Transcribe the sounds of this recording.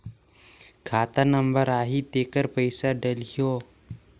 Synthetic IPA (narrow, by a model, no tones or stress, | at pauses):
kʰaːt̪anəmbəɾaːɦit̪eːkəɾpəɪsaɖɐlijoː